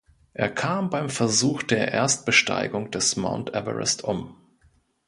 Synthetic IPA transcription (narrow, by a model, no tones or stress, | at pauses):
ʔeːɐkʰaːmbaɪmfɛɐzuːxd̥eːɐʔḛːɐst̚b̥əʃta̰ɪɡʊŋd̥ɛsma̰ʊntʔɛ̰və̰ʁɛ̰stʔʊm